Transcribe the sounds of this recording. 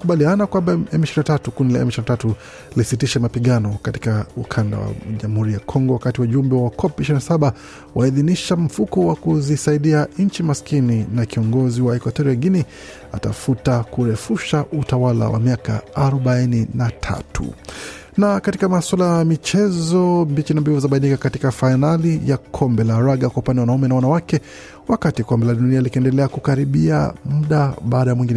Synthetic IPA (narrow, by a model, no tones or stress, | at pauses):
kuɓalianakwambaɛmiʃiɾinatatukunila̰ɛ̰miʃiɾinatatu | lisitiʃɛmapiɠanɔkati̥kaukʰanda̰wa̰ʄamuhuɾijakʰɔŋɡɔwakatiwauʄumbɛwawakʰɔpiʃiɾinasaɓa | wʔaiðiniʃam̩fukɔwakuzisaiɗiaɲ̩t͡ʃimaskininakiɔŋɡɔziwaɛkwatɔɾiaɡini | a̰ta̰futakuɾɛfuʃaʔutawala̰wa̰miaka̰aɾɔɓaininatʰa̰tʰṵ | nakatikamaswalajaamit͡ʃɛzɔmbit͡ʃinambivɔzaɓainikakatikafainalijakʰɔmbɛlaɾaɠakwaupandɛwanaumɛnawanawakɛ | wakatikɔmbɛlaɗunialikɛndɛlɛakukaɾiɓia̰m̩ɗaɓaːɗajamwiŋɡinɛ